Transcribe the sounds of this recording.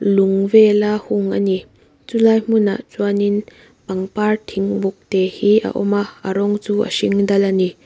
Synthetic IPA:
luŋvɛlahuŋani | t͡sulaːjm̥una̰ʔt͡suanin | pɐŋpart̪ʰiŋbuk̚t̪ɛhiʔa̰ʔɔmaʔaɾɔŋt͡sua̰ʃiŋdɐlani

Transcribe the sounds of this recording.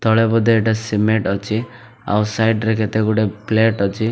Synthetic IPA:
t̪ɔɭebɔd̪ʱeeʈasimeʈɔt͡ʃʰi | a̰wsajɖɾekʰet̪eɡuʈepleʈɔt͡ʃʰi

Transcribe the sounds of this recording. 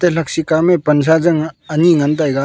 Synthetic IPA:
t̪elɐksikamepɐns̬azɐŋɐniŋɐnt̪̬ajɡa

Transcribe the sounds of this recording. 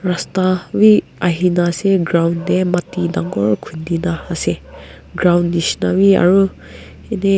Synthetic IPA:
ɾastawi | aɦinaseɡɾawnːematidaŋɡɔɹkʰundinaːse | ɡɾawnːisnawia̰ɾu | ene

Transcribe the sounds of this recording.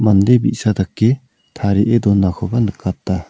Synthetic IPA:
mand̪ebiʔsad̪akːe | t̪ʰaɾiʔed̪ɔnːakʰɔbanɯkːat̚d̪a

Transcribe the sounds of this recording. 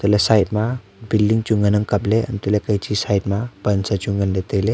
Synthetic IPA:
t̪ulesajt̚ma | bildiŋt͡ʃuŋɡɐnɐŋkɐpleɐ̰nt̪ulekɐjt͡ʃisajt̚mɐpɐnsat͡ʃuŋɡɐnlet̪ejle

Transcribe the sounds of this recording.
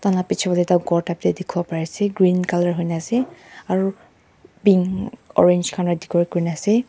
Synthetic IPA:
tanapit͡ʃʰɔbɔdɛtaʊɡɔɹtaptɛdikʰubɔpaɹiasɛɡɹinkalɔɹɦojnsɛaɹu | biŋɔ̰ɹend͡ʒkʰanɔdikɔɹikoɹinɛsɛ

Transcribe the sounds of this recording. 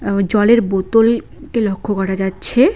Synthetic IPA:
d͡ʑɔleɾbot̪ol | kelokʰːokɔʈʰad͡ʑatːɕʰe

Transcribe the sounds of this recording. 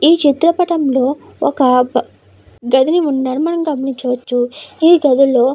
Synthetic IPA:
iːt͡ʃit̪ɾɐpɐʈɐmlo̞ː | ɔ̰kɐ | ɡɐd̪iniunːaːɽumɐnɐmɡɐminiɲt͡ʃɐʋɐt͡ʃːuiːɡɐd̪iloː

